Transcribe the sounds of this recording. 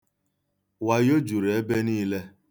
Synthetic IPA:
wa˨jo˦d͡ʒu˨ɾe˦be˦niː˦le˦

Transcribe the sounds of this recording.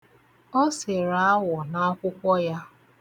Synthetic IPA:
ɔ˦se˨ɾa˨a˦wɔ˨na˨˦ɔ˦kʷʊ˦kʷɔ˦ja˦

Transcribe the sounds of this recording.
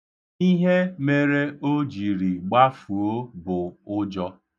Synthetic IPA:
i˦ɦe˦me˦ɾe˦o˦d͡ʒi˨ɾi˨ɡ͡ba˦fu˨o˦bʊ˨ʊ˦d͡ʒɔ˦

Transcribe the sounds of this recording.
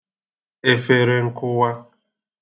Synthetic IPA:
e˨fe˨ɾe˨ŋ̩˦kʊ˦wa˦

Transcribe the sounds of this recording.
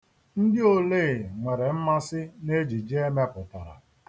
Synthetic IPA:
n̩˦dɪ˦o˨leː˦˨ŋʷe˨ɾe˨m̩˦ma˦sɪ˦ne˦d͡ʒi˨d͡ʒe˦me˦pʊ˨ta˨ɾa̰˨

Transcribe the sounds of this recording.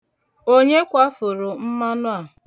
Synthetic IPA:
o˦ɲe˦kʷa˦fʊ˨ɾʊ˨m̩˦ma˦nʊ˦a˨

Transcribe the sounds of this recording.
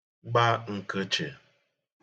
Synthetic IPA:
ɡ͡ba˦ŋ̩˨kə˦t͡ʃe˨

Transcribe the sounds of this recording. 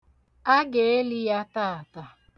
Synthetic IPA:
a˦ɡe˨e˦li˦ja˦ta˦˨a˨ta˨

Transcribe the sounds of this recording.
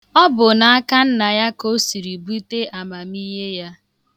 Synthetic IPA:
ɔ˦bʊ˨na˨a˦ka˦n̩˦na˨ja˦ko˦si˨ɾi˨bu˦te˦ʔa˨ma˨mi˦ɦe˦ja˦

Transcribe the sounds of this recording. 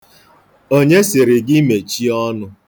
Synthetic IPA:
o˦ɲe˦sɪ˨ɾɪ˨ɡɪ˦me˨t͡ʃi˦ɔ˦nʊ˦

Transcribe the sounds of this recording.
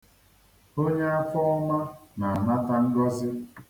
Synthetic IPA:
o˦ɲe˦a˦fɔ˦ɔ˦ma˦na˨na˦ta˨n̩˦dɔ˦zɪ˦

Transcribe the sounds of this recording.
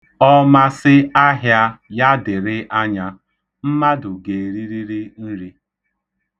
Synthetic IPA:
ɔ˦ma˦sɪ˦a˦ɦja˦ja˦dɪ˨ɾɪ˦ʔa˦ɲa˦ | m̩˦ma˦dʊ˨ɡe˨ɾi˦ɾi˦ɾi˦n̩˦ɾi˦

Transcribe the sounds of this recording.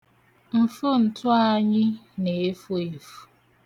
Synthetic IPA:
m̩˨fo˦n̩˨tʊ˦a˦ɲɪ˦ne˨˦fo˦e˨fu̥˦

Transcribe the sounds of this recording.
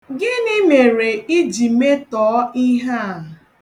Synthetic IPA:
ɡɪ˦nɪ˦me˨ɾe˨i˦d͡ʒi˨me˦tɔː˨˦i˦ɦa˦a˨

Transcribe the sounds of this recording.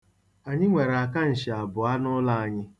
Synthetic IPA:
a˨ɲɪ˦ŋʷe˨ɾa˨ka˦n̩˨ʃɪ˨a˨bʊ˨a˦nʊ˦la˦a˨ɲɪ˦

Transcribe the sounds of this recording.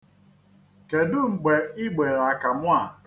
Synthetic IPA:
ke˨dʊ˦ŋ͡m̩˨ɡ͡be˨ɪ˦ɡ͡be˨ɾa˨ka˨mʷ˦a˨

